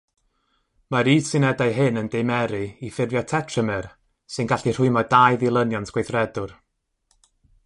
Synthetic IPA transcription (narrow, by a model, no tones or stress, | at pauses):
maɾiːsɨnɛdajɦɨnəndejmɛɾɨifɪrvjɔtʰɛtʰrəmɛr | sɨnɡaɬir̥ʊɨmɔdajðilˠənjɔntʰɡ̥wejθrɛdʊr